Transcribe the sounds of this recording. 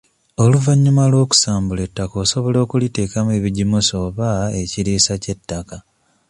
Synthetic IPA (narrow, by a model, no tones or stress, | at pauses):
o̞luvaɲːumalwo̞ːku̥saːmbule̞tːako̞ːso̞βo̞lo̞ːkulite̞ːkamue̞ːβiɟimuso̞βae̞ciɾiːsace̞tːaka